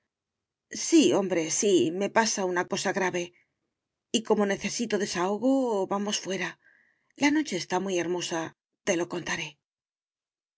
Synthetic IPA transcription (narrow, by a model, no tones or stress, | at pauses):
sio̞mbɾe̞sime̞pasaunako̞saɣɾaβe̞ | iko̞mo̞ne̞θe̞sit̪o̞ðe̞sao̞ɣo̞βamo̞sfwe̞ɾa | lano̞t͡ʃe̞ːst̪amwje̞ɾmo̞sa | t̪e̞lo̞ko̞nt̪aɾe̞